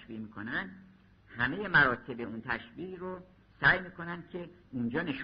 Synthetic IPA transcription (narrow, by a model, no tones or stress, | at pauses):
ʃviːmiːkʰonænd̪ | hæme̞je̞mæɾɒːt̪ʰe̞beunt̪ʰæʃviːʔro | sæːjmiːkʰo̞nænd̪̥̚kʰe̞ | und͡ʒɒːne̞ʃ